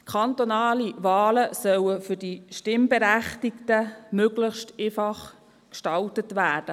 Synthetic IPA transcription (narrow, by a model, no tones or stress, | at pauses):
kʰɑnt̪onɑːliʋɑːləsœwəfʏdiʃtɪmbɛɾæχtiktəmøɡləχʃtefɑχ | kʃtɑltətʋæːd̥ə